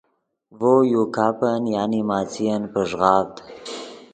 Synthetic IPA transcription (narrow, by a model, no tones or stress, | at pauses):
vojukapanjanimɑːt͡sijanpəʒɣɑːvt̪